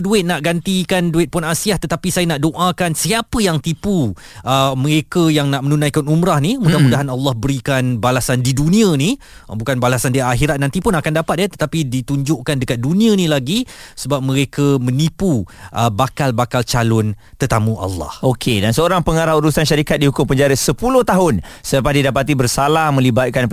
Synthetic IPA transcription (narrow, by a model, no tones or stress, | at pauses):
duɪt̪̚naʔɡant̪ikanduɪt̪̚pʊnasiaht̪ət̪apisajənaʔdoʔakansiapəjaŋt̪ipu | ʔəməɾekəjaŋnaʔmənunãjkanumɾahnimudahmudaɦanalːɑhbəɾikanbalasandidunĩãni | bukanbalasandiaɦiɾat̪̚nant̪ipʊnakandapat̪̚jət̪ə̥t̪apidit̪uɲd͡ʒʊʔkandəkat̪̚dunĩãnĩlaɡisəbap̚məɾekamə̃nipuʔəbakalbakalt͡ʃalʊn | t̪ərt̪amũʔa̰lːɑ̰hokʰedansəoɾaŋpəŋaɾahuɾusanʃaɾikat̪̚dihukʊmpəɲd͡ʒaɾəsəpulʊht̪aɦʊn | səpadidapat̪ibərsalahmə̃libat̪̚kan